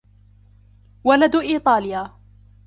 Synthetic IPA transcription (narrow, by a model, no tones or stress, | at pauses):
walad̪ʔiːt̪ˤɑːlɪjaː